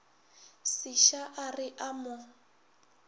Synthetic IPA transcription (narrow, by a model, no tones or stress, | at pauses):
siʃaʔarɪʔamʊ